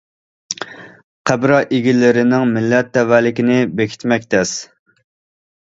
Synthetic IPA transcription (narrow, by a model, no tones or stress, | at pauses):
qʰæbɾɑʔeɡʲilɪɾɪnɪŋmɪlːɛt̪̚ːɛwælɪkʲinɪbekʲʰi̥t̪mɛkʲt̪ʰɛs